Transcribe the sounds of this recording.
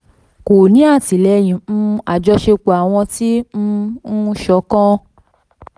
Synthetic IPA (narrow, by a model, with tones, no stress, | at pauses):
ko˨nĩ˨˦a˦˨ti˨lɛ˨˧j̃ĩ˨˦a˨d͡ʒɔ˧ʃe˧k͡po˨a˨w̃ɔ̃˧tĩ˦˧˦ʃɔ˨˦kɔ̃˦